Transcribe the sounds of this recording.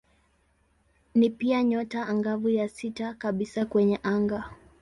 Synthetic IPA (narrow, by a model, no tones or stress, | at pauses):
nipiaɲɔtaːŋɡavujasitakaɓisakwɛɲɛʔaŋɡa